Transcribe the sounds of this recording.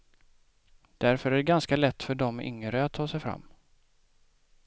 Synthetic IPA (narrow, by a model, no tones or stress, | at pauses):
d̪̥æɾfœɾæɖɛɡanskalɛt̪ːfœɖɔmʏ̰ŋɾəat̪ʰːɑːsɛjfɾa̰mː